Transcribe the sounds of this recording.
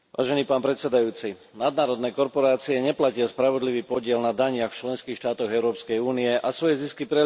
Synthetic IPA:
ʋʔa̰ːʒɛniːpaːnpɾɛt̪sɛd̪ajuːt͡si | nad̪naːɾɔd̪nɛːkɔɾpɔɾaːt͡siɛɲɛplacɪaspɾaʋɔd̪liʋiːpɔɟɪɛlnad̪aɲɪaxft͡ʃlɛnskiːxʃt̪aːt̪ɔɣɛʊɾɔːpskɛjuːniɛʔasʋɔjɛziskipɾɛ

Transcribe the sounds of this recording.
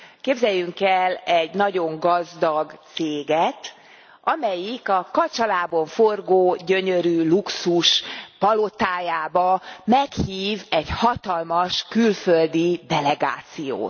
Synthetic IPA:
keːbzɛjːyŋkɛlɛɟnɒɟo̞ŋɡɒzd̪ɒɡt̪seːɡɛt̪ | ɒmɛjikɒkɒt͡ʃɒlaːboɱforɡoːɟø̞ɲø̞ɾyːluksuʃpɒlo̞t̪aːjaːbɒmɛkhiːvɛɟhɒt̪ɒlmɒʃkylføld̪id̪ɛlɛɡa̰ːt̪sijo̰ːt̪

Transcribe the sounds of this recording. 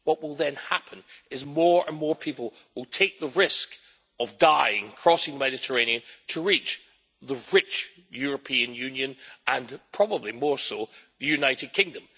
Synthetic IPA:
wʌʔwɪlˠðɨ̃nhapʰə̃nɪzmɔɹə̃nmɔɹpʰipəl̩ˠ | wɪlˠtʰeɪk̚ðəɹɪsk | əvdaɪɪ̃ŋkʰɹ̥ɔsɪ̃ŋðəmɛɾɨtʰə˞ẽɪ̃niɨ̃ntʰəɹit͡ʃ | ðəɹɪt͡ʃ | jʉɹəpʰiɨ̃njʉ̃njɨ̃nə̃npʰɹ̥ɔbəblˠimɔɹsoðɨjʉnaɪɾɨd̚kʰɪ̃ŋdə̃m

